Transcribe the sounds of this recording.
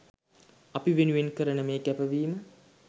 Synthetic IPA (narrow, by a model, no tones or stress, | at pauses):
ɐpiʋenuʋenkəɾənəmeːkæpəʋiːmə